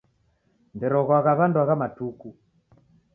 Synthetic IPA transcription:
ndɛɾɔɣwaɣaβanduaɣamatuku

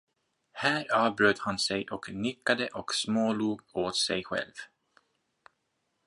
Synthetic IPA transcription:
hæːɾɑːvbɾøːt̪hansɛjʔɔknʏkːad̪əʔɔksmoːluːɡoːt̪sɛjɧɛ̰lv

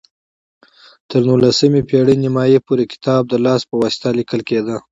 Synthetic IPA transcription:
t̪əɾnulasəmepeɽənɪmɑjepuɾekɪ̥t̪ɑb̚d̪əlɑspəwɑsɪ̥t̪alɪkəlked̪ə

